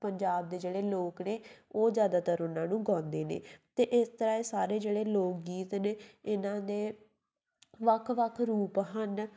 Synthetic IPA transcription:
pəɲd͡ʒaːb̚d̪eːd͡ʒeːɽeːloːkneːoːzjaːd̪aːt̪əɾʊnãːnũːɡãːnd̪eːnḛːt̪eːʔɪst̪əɾaːeːsaːɾeːd͡ʒeːɽeːloːk̚ɡiːt̪neːɪnãːd̪eː | ʋəkʰʋəkʰɾuːpɦən

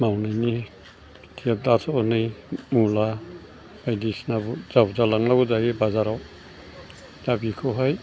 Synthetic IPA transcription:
mawnajni | tʰijadatʰanɯjmula | ajdisnabuzawzalaŋlabuzajebazaɾaw | z̥abikʰɔɦɔj

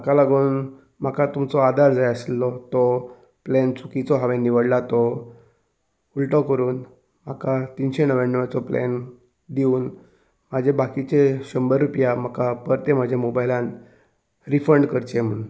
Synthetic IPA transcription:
makalaɡuːn | m̤akat̪umt͡sɔad̪aɾd͡zajəslɔt̪ɔ | plent͡sʰukit͡sɔɦaʋeniʋəɽlat̪ɔ | ulʈɔkəɾuːn | m̤akat̪inɕenəʋanːəʋat͡sɔplɛ̰n | d̪iuːn | m̤ad͡ʑʱebakit͡ɕeɕəmbəɾːupjam̤akapəɾt̪em̤ad͡ʑʱemobajlãn | ɾifəɳɖkəɾt͡ɕem̤ən

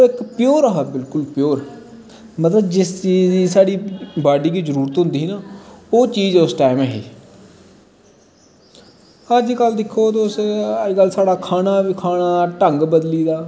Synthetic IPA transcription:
ɪkpɪjoːɾəɦaːbɪlkʊlpjoːɾ | mət̪ləbd͡ʒɪst͡ʃiːiːsaːɽiːbaːɖiːɡiːzəɾuːɾət̪ɦʊ̃nd̪iːnaːoːt͡ʃiːd͡ʒʊsʈaːɪmɛːɦḭː | əd͡ʒkəld̪ɪkʰːoːt̪ʊsəd͡ʒkəlsaːɽaːkʰaːnaːʋiːkʰaːnaːʈəŋɡbəd̪liːd̪aː

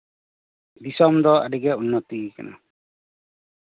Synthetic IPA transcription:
d̪isɔmd̪ɔa̰ɖiɡɛunːɔt̪ika̰na̰

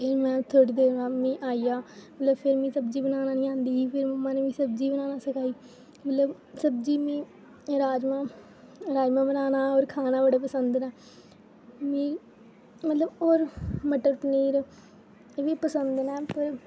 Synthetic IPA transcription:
imɛ̃ːt̪ʰːoʈːd̪eːɾaːmĩːʔaːijaːmət̪ləbpʰɪɾmĩːsəbd͡ʒiːbənaːnaːnĩːãːnd̪iːpʰɪɾmɛːnẽːʋĩːsəb̚d͡ʒiːbənaːnaːsəkʰaːiː | mət̪ləb | səbd͡ʒiːmĩː | ɾaːd͡ʒmãː | ɾaːd͡ʒmãːbənaːnaːoːɾkʰaːnaːbəɽaːpəsənd̪nɛː | mĩː | mət̪ləboːɾməʈəɾpəniːɾ | ʋiːpəsənd̪nɛːpəɾ

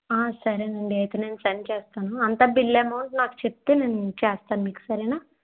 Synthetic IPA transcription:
aːsɐɾenɐɳɖiɐjt̪eːne̞ːnusɐnːit͡ʃɛːst̪aːnuɐnt̪aːbilːeːmoːɳnaːku̥t͡ʃep̚t̪eːne̞ːnut͡ʃeːst̪aːnumiːku̥sɐɾɛnaː

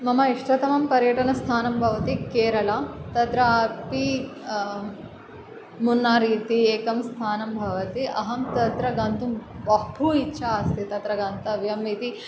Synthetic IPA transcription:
mɐmɐiʂʈɐt̪ɐmɐmpɐɾjɐʈɐnɐst̪ʰaːnɐmbʱɐʋɐt̪ikeːɾɐlɐt̪ɐt̪ɾɐapi | munːaːɾiːt̪ieːkɐmst̪ʰaːnɐmbʱɐʋɐt̪iʔɐɦɐmt̪ɐt̪ɾɐɡɐnt̪umbɐɦpuitːʃʰaɐst̪ʰit̪ɐt̪ɾɐɡɐnt̪ɐʋjɐmit̪i

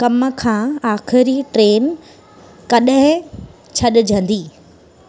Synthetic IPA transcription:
kɐmə̆kʰãːaːxɪɾiʈɾeːn | kɐɗɦɪ̃ | t͡ɕʰɐɗʊ̆d͡ʑʱɐ̃nd̪iː

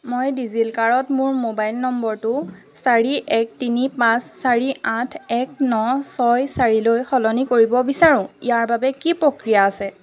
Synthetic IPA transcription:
mojdizilkaɹɔtmʊɹmobajlnɔmbɔɹtʊ | saɹiʔɛk̚tinipãsːaɹiatʰɛk̚nɔsɔjsaɹilojxɔlɔnikoɹibɔbisaɹʊ̃ijaɹbabɛkipɹokɹijaːsɛ

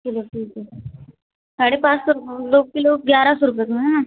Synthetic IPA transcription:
kiloʈiːke | saɽepãt͡ʃsoɾupd̪oːkiloɡjaɾasoɾup̬et̪unaã

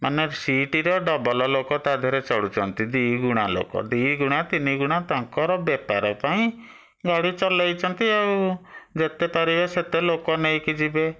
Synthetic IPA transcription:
manesiʈiɾɔɖɔbɔlɔlokɔt̪ad̪ʱɔɾet͡ʃɔɽut͡ʃɔnt̪id̪iɡuɽ̃alo̰kɔ̰d̪iɡuɽ̃at̪iniɡuɽ̃at̪aŋkɔɾɔbjɛpa̰ɾɔpaĩ | ɡaɽit͡ʃɔlajt͡ʃʰɔnt̪iawd͡ʒet̪epaɾibeset̪elokɔnejkid͡ʒibe

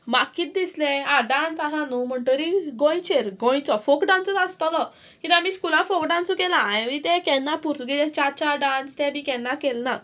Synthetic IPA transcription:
makːiːt̪̚d̪islɛ̃ãɖãnt͡saɦãnũm̤əɳʈoɾiɡɔ̃j̃t͡ɕeɾɡɔ̃j̃t͡sɔfokɖãnt͡sut̪ast̪alɔ | kĩt̪amiskulãfokɖãnsukɛlãːjʋĩt̪ɛ̃kɛ̃nːapuɾt̪uɡilɛt͡ɕat͡ɕaɖãnst̪ɛ̃bikɛ̃nːakɛlna

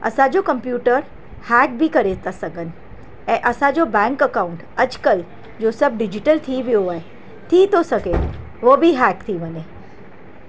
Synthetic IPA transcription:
ə̰sad͡ʒokəmpjuʈəɾ | hɛk̚bʱikəɾet̪asəɡən | eʔəsad͡ʒobɛ̃ŋkəkauɳʈəd͡ʒkəl | d͡ʒosəb̚ɖid͡ʒiʈəlt̪ʰiʋjoɦaj | t̪ʰit̪osəke | ʋobʱiɦakt̪ʰibəne

